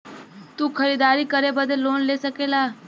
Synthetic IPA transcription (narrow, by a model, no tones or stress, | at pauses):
t̪uːkʰəɾiːd̪aːɾikəɾebəd̪ʱeloːnlesəkelaː